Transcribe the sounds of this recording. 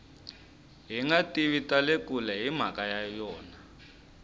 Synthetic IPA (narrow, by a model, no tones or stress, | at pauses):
ɦiŋatʼiβitʼalek̬ʼulɛɦim̤akʼajajɔːna